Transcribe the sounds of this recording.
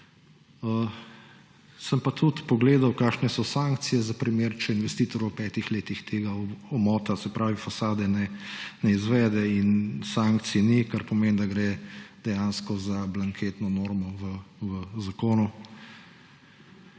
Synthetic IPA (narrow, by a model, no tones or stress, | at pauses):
ə | səmpat̪ʰut̪pɔɡleːd̪awkaːʃnɛsɔsaːŋkt̪sijɛzapɾimeːɾt͡ʃɛinʋɛst̪iːt̪ɔɾwpɛːt̪ixleːt̪ixt̪ʰeːɡaɔmɔːt̪asɛpɾaːʋifasaːd̪ɛnɛnɛizʋɛːd̪ɛinsaŋkt̪sinikaɾpɔmeːnd̪aɡɾed̪̥ɛjanskɔzablaŋkʰeːt̪nɔnoːɾmɔʋəʋəzakoːnu